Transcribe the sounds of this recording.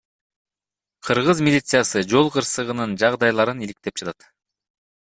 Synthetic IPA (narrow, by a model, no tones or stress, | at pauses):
qʰɯɾʁɯzmʲilʲit̪sɨjasɯd͡ʒo̞lˠqʰɯɾsɯʁɯnɯnd͡ʒɑʁd̪ɑjlˠɑɾɯnilik̚t̪e̞p̚d͡ʒɑt̪ɑt̪